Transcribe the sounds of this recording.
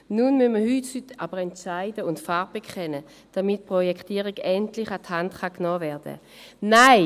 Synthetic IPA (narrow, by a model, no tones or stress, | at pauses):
nunmynməhythytab̥əʁɛntt͡ʃaɪdəʊntfaʁ̚b̥ɛkʰχɛnə | d̥amɪt̚pʁɔjɛktiːəʁiɡɛntlɪχathantχaknɔːvɛɐdə̰ | naɪ